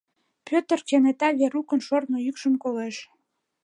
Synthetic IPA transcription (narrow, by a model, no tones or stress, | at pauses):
pʲøt̪ərkenet̪ɑβeɾukənʃornojykʃəmkoleʃ